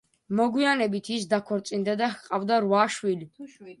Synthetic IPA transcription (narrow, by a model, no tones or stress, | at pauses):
mɔɡwianɛbit̪ʰis̬d̪akʰɔɾt̪sʼind̪ad̪ahqʼavd̪aɾwaʃwili